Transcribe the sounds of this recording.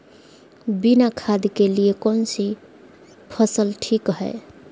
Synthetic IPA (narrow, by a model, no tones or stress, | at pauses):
binakʰad̪ikeliekɔnsi | pʰəsəlʈʰikɦɛ̰ɪ